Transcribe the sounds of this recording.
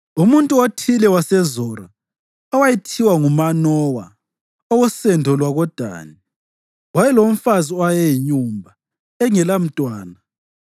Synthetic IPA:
umuntʼuotʰilɛwasɛzɔːɾa | ɔwajitʰiwaŋumanɔwa̰ | ɔwɔsɛndʱɔlwaɣɔd̥ʱa̰ːni | wajɛlom̩faziajɛjiɲuːmbʱa | ɛŋɛlam̩tʼwaːna

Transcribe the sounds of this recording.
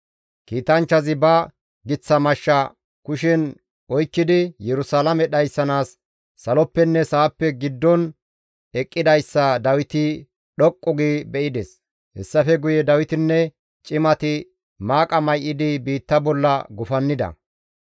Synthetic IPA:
kiːt̪ɐnt͡ʃːɐzɪbɐ | ɡɪt͡sːɐmɐʃːɐ | kʊʃɪn | ɔjkːɪd̪ɪjɛɾʊsalɐmɛɗɐjsːɐnaːsː | ɐlɔpːɛnːɛsaːpːɛɡɪd̪ːɔn | ɛkʼːɪd̪ɐjsːɐd̪ɐwɪt̪ɪ | ɗɔkʼːɔɡibɛʔɪd̪ɛs | hɛsːɐfɛɡʊjɛd̪ɐwɪt̪ɪnːɛ | t͡ʃʼɪmɐt̪ɪ | maːkʼɐmɐjʔɪd̪ɪbiːt̪ːɐbɔlːɐɡʊfɐnːɪd̪ɐ̰

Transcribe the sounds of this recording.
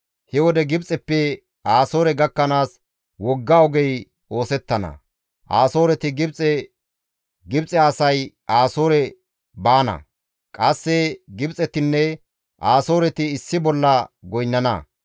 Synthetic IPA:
hɛwɔd̪ɛɡɪbt͡sʼɛpːɛ | ʔaːso̞ːɾɛɡɐkːɐnaːs | wɔɡːaːwɔɡɛj | o̞ːsɛt̪ːɐnɐ̰ | ʔaːso̞ːɾɛt̪ɪɡɪbt͡sʼɛ | ɡɪbt͡sʼɛɐsɐj | aːsoːɾɛ | baːnɐ̰ | kʼɐsːɛɡɪbt͡sʼɛt̪ɪnːɛ | ʔaːso̞ːɾɛt̪ɪːsːɪbɔlːɐɡɔjnːɐnɐ̰

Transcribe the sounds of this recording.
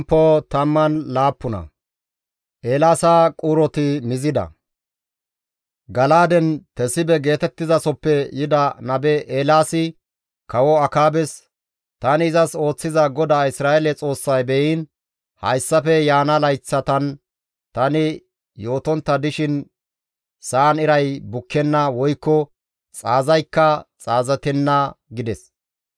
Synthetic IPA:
pːot̪ɐmːɐnlaːpːʊnɐ̰ | ʔeːlaːsaːkʼʊɾɔt̪ɪmɪzɪd̪ɐ̰ | ɡɐlaːd̪ɛnt̪ɛsɪbɛɡe̞ːt̪ɛt̪ːɪzɐsɔpːɛjɪd̪ɐnɐbɛʔeːlaːsɪ | kɐwɔɐkaːbɛs | t̪ɐnɪːzɐso̞ːt͡sːɪzɐɡɔd̪aːɪsɾaːɛlɛt͡sʼo̞ːsːɐjbɛjin | hɐ̰jsːɐfɛjaːnɐlɐjt͡sːɐt̪ɐn | t̪ɐnɪ | jo̞ːt̪ɔnt̪ːɐd̪ɪʃɪn | saːnɪɾɐjbʊkʰːɛnːɐwɔjkːɔ | t͡sʼaːzɐjkːɐt͡sʼaːzɐt̪ɛnːɐɡɪd̪ɛs

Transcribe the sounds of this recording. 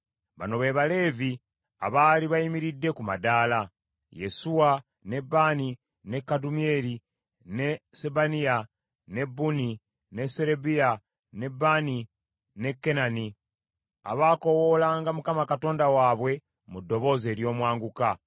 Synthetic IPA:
βa̰no̞βe̞ːβale̞ːvi | a̰βaːliβaimiɾidːe̞kumadaːla | je̞̰suwa | ne̞bani | nekːadumie̞ɾi | nesebania | ne̞bːuni | ne̞se̞ɾebija | ne̞bːani | ne̞kːe̞nani | a̰βaːko̞wo̞laːŋɡamukamakato̞ːndawaːβwe̞ | mudːo̞βo̞ːze̞ːɾjo̞ːmwaːŋɡuka

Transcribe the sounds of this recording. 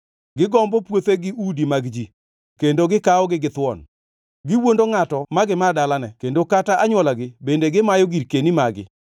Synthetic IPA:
ɡɪɡɔmbɔpwot̪eɡɪudimaɡd͡ʒi | kendoɡɪkaɔɡɪɡɪt̪wɔn | ɡɪwondoŋatɔmaɡɪmadalanɛkendokataʔaɲwɔlaɡɪbendeɡɪmajɔɡiɾkenimaɡɪ̰

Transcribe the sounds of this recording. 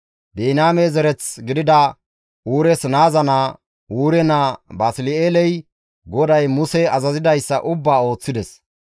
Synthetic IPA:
beːnaːmezɛɾɛt͡sɡɪd̪ɪd̪ɐ | uːɾɛsnaːzɐna | uːɾɛnabaːsɪlɪeːlɛj | ɡɔd̪ɐjmʊsɛɐzɐzɪd̪ɐjsːɐ̰ʔʊbːaːo̞ːt͡sːɪd̪ɛs

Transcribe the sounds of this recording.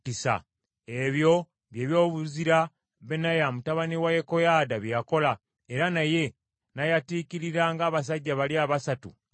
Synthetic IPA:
isa̰ | eβjo̞ | βje̞ːβjo̞ːβuziɾa | βenajamutaβaniwajeko̞jaːdaβjjako̞la | e̞ɾanaje̞ | najatiːkiɾiɾaŋɡaːβas̬aɟːaβaliaːβasatu

